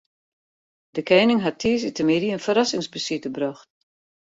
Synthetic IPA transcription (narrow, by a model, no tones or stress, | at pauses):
d̥əkɛjnɪŋɦatʰːiːs̬itəmidiənfəɾasɪŋsbəsitəbrɔxt